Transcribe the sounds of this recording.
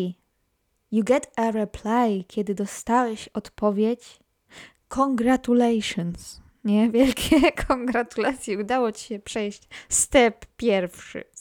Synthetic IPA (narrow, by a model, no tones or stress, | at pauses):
juɡɛt̪ʰɛɾɛpʰlajkʲʰɛd̪ɘd̪ɔst̪awɛɕɔt̪pɔvʲjet͡ɕ | kʰɔŋɡɾat̪ulɛjʂɔns | ɲɛvʲjɛlkʲʰɛkʰɔŋɡɾat̪ulat̪sʲjɛud̪awɔt͡ɕiɕɛpʂɛjɕt͡ɕst̪ɛpːʲjɛɾfʂɨ̰